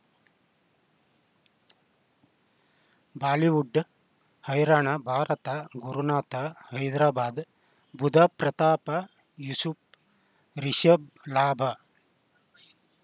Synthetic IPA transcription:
baːliʋuɖː | hɐjɾaːɳɐbʱaːɾɐt̪ɐɡuɾunaːt̪ɐhɐjd̪ɾaːbaːd̪ | bud̪ʱɐpɾɐt̪aːpɐ | jusup | ɾiʃɐb̚ | laːbʱɐ

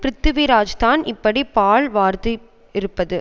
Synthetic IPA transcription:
pɾɪt̪ːɯʋiɾaːd͡ʒt̪aːnʔɪpːɐɽipaːɭʋaːɾt̪ɯ | ɪɾɯpːɐðɯ

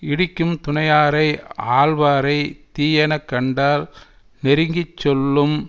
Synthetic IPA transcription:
ɪɽɪkːɯmt̪ʊnɐjaːɾɐɪaːlʋaːɾɐɪt̪iːjɐnɐkːɐɳɖaːl | nɛɾɪŋɡɪt͡ʃːɔlːɯm

